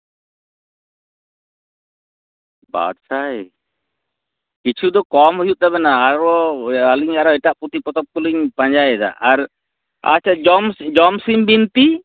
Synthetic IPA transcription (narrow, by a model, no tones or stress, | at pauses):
ba̰d̪saj | kit͡ʃʰud̪ɔkɔmɦujuʔ̪̚d̪aβɛnaːɾɔaliɲaɾɔɛʈaʔput̪ʰipɔt̪ɔp̚kuliɲpaɲd͡ʒajɛd̪a̰ʔaɾ | a̰t͡ʃʰɛɔmd͡ʒɔmsimbint̪i